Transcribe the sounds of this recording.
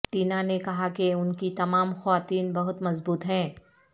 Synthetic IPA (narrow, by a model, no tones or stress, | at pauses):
ʈiːnanekɐɦakeʊnkit̪ɐmaːmxɐʋaːt̪iːnbɐɦʊt̪mɐzbuːt̪ɦɛ̃ː